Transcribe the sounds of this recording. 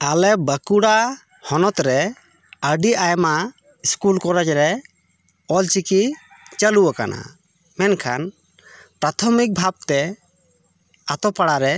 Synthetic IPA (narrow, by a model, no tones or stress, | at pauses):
alɛbəkuɽa | hɔnɔt̪ɾɛ | əɖiʔajma | iskulkɔɾad͡ʒɾɛ | ɔlt͡ʃiki | t͡ʃəluaka̰nʔa̰ | mɛnkʰan | pɾat̪ʰɔmik̚bʱab̚t̪ɛ | at̪ɔpaɽaɾɛ